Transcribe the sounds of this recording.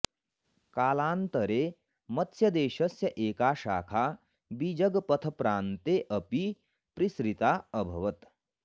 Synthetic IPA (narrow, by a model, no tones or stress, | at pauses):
kaːlaːnt̪ɐɾeː | mɐt̪ʰsjɐd̪eːʃɐsjɐʔeːkaːʃa̰ːkʰaː | bid͡ʒɐɡpɐt̪ʰɐpɾaːnt̪eːʔɐpi | pɾisɾit̪aːɐbʱɐ̰ʋɐt̪